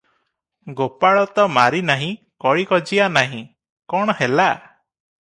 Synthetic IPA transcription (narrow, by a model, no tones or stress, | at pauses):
ɡopaɭɔt̪ɔmaɾinaɦĩ | kɔɭikɔd͡ʒianaɦḭ̃ | kɔɽ̃ɔhela